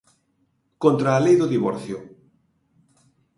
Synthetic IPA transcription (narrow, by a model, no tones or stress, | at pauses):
kõnt̪ɾaːlejðʊðiβɔɾθjʊ